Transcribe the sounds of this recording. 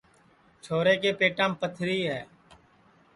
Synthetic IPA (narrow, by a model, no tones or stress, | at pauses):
t͡ʃʰoːɾeːkeːpeːʈãːmpət̪ʰɾiːɦɛː